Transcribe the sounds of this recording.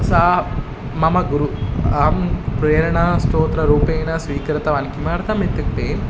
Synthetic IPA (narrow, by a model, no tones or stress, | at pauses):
saː | mɐmɐɡuɾuaːmpɾeːɾɐɳɐsʈ̪oːt̪ɾɐɾuːpeːnɐsʋiːkɾɐt̪ɐʋɐnkimaːɾt̪ʰɐmit̪ːɐk̚ʈeːn